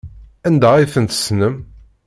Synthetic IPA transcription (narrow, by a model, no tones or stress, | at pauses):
ænd̪æiθənt̪ə̥snəm